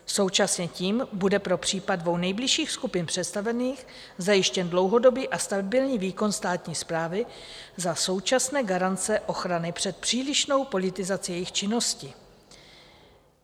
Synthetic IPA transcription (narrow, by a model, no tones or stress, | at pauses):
so̞wt͡ʃasɲɛciːmbudɛpɾo̞pr̥iːpadvo̞wnɛjblɪʃiːxskupɪnpr̝̥ɛt̪st̪avɛniːx | zajɪʃcɛndlo̞wɦo̞do̞biːʔast̪abɪlɲiːviːko̞nst̪aːt̪ɲiːspɾaːvɪ | zaso̞wt͡ʃasnɛːɡaɾant͡sɛʔo̞xɾanɪpr̝̥ɛt̪̚pr̝̥iːlɪʃno̞wpo̞lɪt̪ɪzat͡sɪjɛjɪxt͡ʃɪno̞scɪ